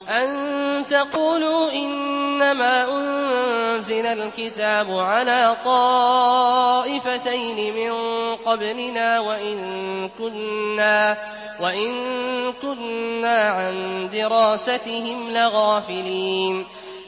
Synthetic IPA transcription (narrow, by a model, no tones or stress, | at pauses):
ʔant̪ɑquːluːʔɪnːamaːʔʊnzɪlalkɪt̪aːbʊʕalaːt̪ˤɑː | ʔɪfat̪ajnɪmɪnqɑblɪnaːwaʔɪnkʊnːaː | waʔɪnkʊnːaːʕand̪ɪɾaːsat̪ɪhɪmlɪɣaːfɪliːn